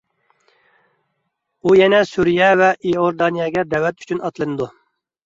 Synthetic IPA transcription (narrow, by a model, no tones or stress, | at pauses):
ujɛnɛsuɾijɛvɛʔioɾd̪ɑnijɑɡʲɛd̪ɛwɛt̪y̥t͡ʃʰynɑt̪lˠɨnɨd̪u